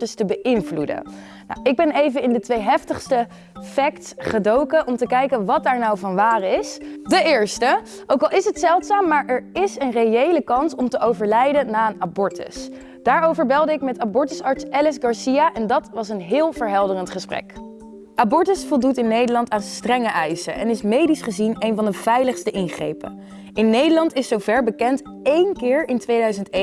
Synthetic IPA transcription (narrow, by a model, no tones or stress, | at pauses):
təstəbəʔɪnvludə̰ | na̰wɪɡ̚bɛnejvənɪndətʋejɦɛftəχstə | fɛktsχədowkəʔɔmtəkɛjkənʋɑt̚daːɹnawvɑnʋaːrɪsdəʔɪːɹstə | ʔowkɑlˠɪsɦətsɛlˠtsaːmːaːɹʔɛɹɪsənrejejləkɑnsɔmtəʔowvəɹlɛjdənaːənabɔɹtə̰s | d̥aːɹowvəɹbɛlˠdəɪk̚mɛtabɔɹtəsɑɹtsɛlɛsɡɑɹsijaʔɛndɑtʋɑsənɦɪːlˠvəɹɦɛlˠdərəntχəsprɛ̰k | ʔabɔɹtəsfɔlˠdutɪnːejdəɹlɑntaːnstrɛŋəʔɛjsəʔɛ̰nɪsmejdisχəzinejnvɑndəv̥ɛjləχstəʔɪnχrḛjpə̰ | ɪnːejdəɹlɑntɪsːowvɛɹbəkɛnt | ejnkɪːɹɪntʋejdœɥzənten